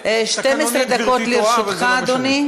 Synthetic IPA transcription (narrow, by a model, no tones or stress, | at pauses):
ʃt̪emesɾed̪akot̪liɾʃutχaːd̪oni